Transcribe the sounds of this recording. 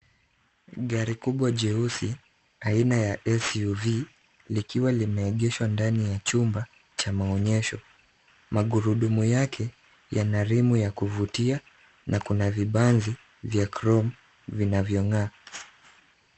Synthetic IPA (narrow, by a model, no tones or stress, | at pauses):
ɠaɾikuɓwaʄɛusi | ainajaʔɛsuvi | likiwalimɛːɠɛʃwandanijat͡ʃumba | t͡ʃamaɔɲɛʃɔ | maɠuɾuɗumujakʰɛ | janaɾimujakuvutia | nʔakunaviɓanzi | vjakɾɔm | vinavjɔŋaː